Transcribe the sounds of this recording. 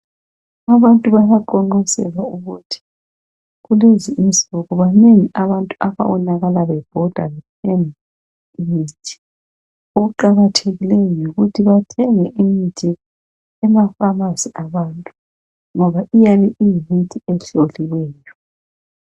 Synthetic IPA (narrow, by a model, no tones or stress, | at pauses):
aβantʼuβaɣaǃɔŋ͡ǃɔsɛ̰ɣauɣutʰi̥ | ɣuleziinziɣɔɣɔβaneŋiʔaβantʼuaβa̰wɔnaɣalaβɛb̥ʱɔd̥ʱa̰lɛpʰɛn | mitʰʼi̥ | oɣuǃaɣatʰeɣilɛjɔjoɣutʰiβatʰɛŋɛʔimitʼɛ | ɛmafamasiaβantʼu | ŋɔβaʔijaβɛʔijiɦitʰiɛɬoliwɛːjɔ